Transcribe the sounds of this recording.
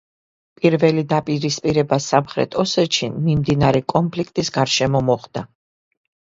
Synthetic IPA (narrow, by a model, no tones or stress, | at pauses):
pʼiɾvɛlid̪apʼiɾispʼiɾɛbasamχɾɛ̰t̪ʰɔsɛʃinmimd̪inaɾɛkʼɔnpʰlikʰt̪ʼisɡaɾʃɛmɔmɔχd̪a